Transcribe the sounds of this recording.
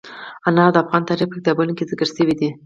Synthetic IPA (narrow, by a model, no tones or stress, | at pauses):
anɑd̪əafɣɑnt̪ɑɾipək̚zabənokezɪkəɾsəwid̪i